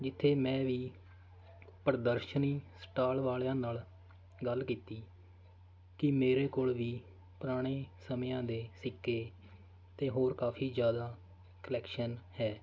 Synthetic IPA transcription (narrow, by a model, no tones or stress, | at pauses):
d͡ʒɪt̪ʰːeːmɛ̃ːʋiː | pəɾd̪əɾʃəniːsʈaːlʋaːljãːnaːl | ɡəlkiːt̪iː | kɪmeːɾeːkoːlʋiː | pʊɾaːɽ̃eːsəmjãːd̪eːsɪkːeː | t̪eːɦoːɾkaːpʰiːd͡ʒjaːd̪aː | kəlɛːkʃənhɛː